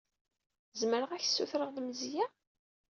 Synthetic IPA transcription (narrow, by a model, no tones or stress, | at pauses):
zməɾəʁæçsːuθɾəʁðməzjæ